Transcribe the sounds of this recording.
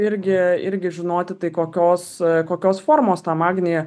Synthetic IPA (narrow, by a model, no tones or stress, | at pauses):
ɪɾʲɡʲɪɪ̰ɾʲɡʲɪʒʲɪnoːt̪ʲɪt̪ɐɪkoːkʲoːskoːkʲoːsfoːɾmoːst̪ɑːmɑːɡʲnʲejɛ